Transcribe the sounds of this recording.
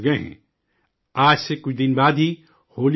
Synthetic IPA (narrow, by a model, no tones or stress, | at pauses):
ɡɐeɦɛ̰̃ː | aːd͡ʒsekʊt͡ʃʰd̪ɪnbaːd̪ɦi | hoːl